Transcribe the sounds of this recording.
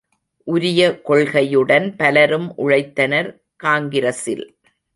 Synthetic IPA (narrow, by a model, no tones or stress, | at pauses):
ʔʊɾɪjɐkɔɭɣɐjɯɽɐnpɐlɐɾɯmʔʊɻɐɪt̪ːɐnɐɾ | kaːŋɡɪɾɐsɪ̰l